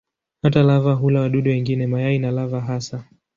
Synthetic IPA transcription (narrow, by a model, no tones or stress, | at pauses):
hatalavaɦulawaɗuɗuwɛŋɡinɛmajainalavaɦasa